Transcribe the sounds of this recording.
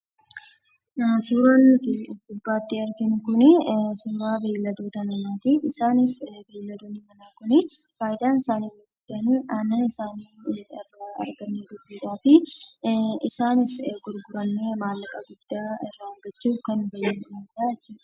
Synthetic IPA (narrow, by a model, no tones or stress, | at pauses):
suːɾaːnːɪɡʊbːaːt̪ːɪɐɾɡɪnɪkʊnɪsuːɾaːbeːlːɐd̪oːt̪ɐnɐnaːt̪iɪsaːnɪsbeːlːɐd̪oːnɪmɐnaːkʊnɪ | faːjɪd̪aːnɪsaːniɾːɐɡʊd̪ːɪʔɐniʔaːnːɐnɪsaːniːɪrːaːɐ̰ɾɡɐnːeːd̪ʊbːiːᶑaːfɪ | ʔɪsaːnɪsɡʊɾɡʊɾɐnːe̞ːmaːlːɐkʼɐɡʊd̪̥ːaːɪrːɐɐŋɡɐt͡ʃːuːfkɐnːbɐjɐnɪmad̪aːɐt͡ʃːi